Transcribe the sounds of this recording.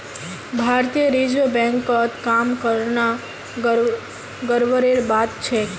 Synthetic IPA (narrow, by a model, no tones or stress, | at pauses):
bʱaɾt̪ijəɾid͡ʒʋəbɛ̃ŋkət̪kamkəɾna | ɡəɾʋəɾeɾbat̪t͡ʃʰe